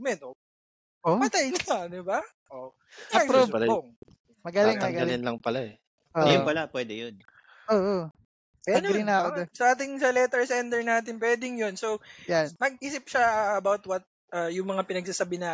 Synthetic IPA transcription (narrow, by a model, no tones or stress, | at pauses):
mɛd̪o | opɐt̪ajnɐd̪ɪba | ʔo | ɐɐɡpoɐlboŋ | mɐɡɐlɪŋɐɡɐɡɐlɪnlɐŋpɐlaɛ | ʔoːjʊpɐlapwɛd̪ɛjon | ʔoːʔo | anlɪŋnɐkoosɐʔaːt̪̬ɪŋsɐlɛt̪ɛɹsɛnd̪ɛɹnaːt̪ɪnpwɛːd̪ɪŋjo̞nsowjanmɐɡ̚ʔiːsɪp̚ʃaɐɐbawt̪wɐt̪̚ | ʔɐjʊŋmɐŋapɪnɐɡ̚sasɐbɪnɐ